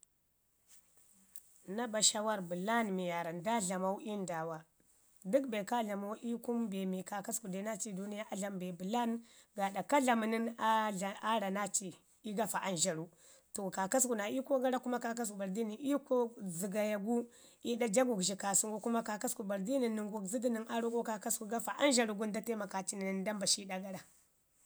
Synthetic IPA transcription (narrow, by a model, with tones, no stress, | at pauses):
na˦ba˨ʃa˦wa˦ɾbu˨la˦nmi˨ja˨ɾa˨nda˦ɮa˨ma˦u˦ʔi˦nda˨wa˨ | di˦kbe˨ka˦ɮa˨ma˦u˦ʔi˦ku˦mbe˨mi˨ka˨ka˦sku˨de˨˦na˦t͡ʃi˦du˦ni˦ja˦ʔa˦ɮa˦mbe˨bu˨la˦nɡa˨da˨ka˦ɮa˨mi˨ni˦na˦˨a˦ɾa˨na˦t͡ʃi˨ | i˦ɡa˦fa˨ʔa˦nʒa˨ɾu˨ | to˨ka˨ka˦s̬ku˨na˨i˦ko˦ɡa˦ɾa˦ku˦ma˦ka˦k̬a˦s̬ku˨ba˨ɾdi˦ni˨i˦ko˦zi˨ɡa˨ja˨ɡu˦ | i˦da˦d͡ʒa˦ɡu˨ki˨ka˨su˨ŋɡu˦ku˦ma˦ka˨ka˦sku˨ba˨ɾdi˦ni˨ni˨ŋɡu˨kzi˦di˦ni˨ŋa˦ɾu˦ko˦ka˨ka˦sku˨ɡa˦fa˨ʔa˦nʒa˨ɾu˨ɡu˦nda˦te˦ma˨ka˨t͡ʃi˦ni˨n˨nda˦mba˨ʃi˦da˨ɡa˦ɾa˨